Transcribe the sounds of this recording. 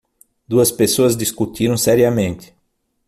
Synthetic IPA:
d̪uɐspesoɐzd̪iskut̪ʰiɾɐ̃w̃sɛɾiɐmẽnt̪ɪ̥

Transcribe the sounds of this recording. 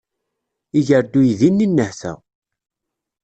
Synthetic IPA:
iʝəɾd̪ːujðinːinːəhθæ̰

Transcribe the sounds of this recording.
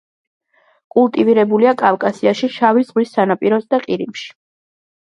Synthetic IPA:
kʼulˠt̪ʼiviɾɛbuliakʼafkʼasiaʃiʃavizʁwisːanapʼiɾɔzd̪aqʼiɾimʃi̥

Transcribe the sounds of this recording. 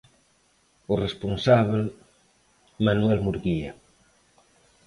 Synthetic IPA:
ʊresponsaβel | manuɛlmuɾɣia

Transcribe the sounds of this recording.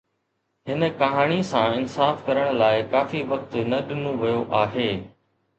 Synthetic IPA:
ɦɪnə̆kɐɦaːɽ̃isãɪnsaːfkɐɾəɽ̃laːɪkaːfiʋɐk̚t̪nɐɗɪnũʋɐjoʔaːɦeː

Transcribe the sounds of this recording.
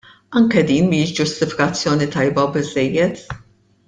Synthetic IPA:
ɐŋkɛd̪iːnmiːʃd͡ʒʊst̪ɪfɪ̥kɐt͡sːjɔːnit̪ɐjbɐbɪzːɛjːɛt̪

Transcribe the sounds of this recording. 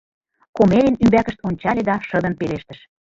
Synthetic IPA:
komelʲenymbækə̆ʃt̪onʲt͡ɕɑlʲed̪ɑʃɤ̆d̪ə̆npeleʃt̪ə̆ʃ

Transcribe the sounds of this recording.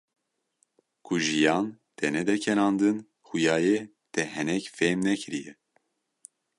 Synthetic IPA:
kʰuʒijɑːnt̪ʰɛnɛd̪ɛcʰɛnɑːnd̪ɨn | xujɑːje | t̪ʰɛhɛnɛcfeːmnɛkʰɨɾijɛ

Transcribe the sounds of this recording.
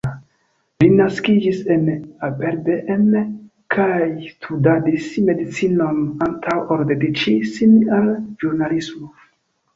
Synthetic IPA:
linaskid͡ʒise̞nabeɾbeʔen | kʰajstʰudadisme̞dit͡sino̞nantʰawoɾdedit͡ʃisinalʒuɾnalismo

